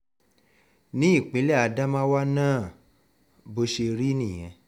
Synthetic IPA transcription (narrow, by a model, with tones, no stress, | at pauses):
nĩ˦i˦˨k͡pi˨˦lɛ˦a˧da˦mã˦wa˦nãː˦˨ | bo˧ʃe˧ɾi˦nĩ˦˨j̃ɛ̰̃˨˧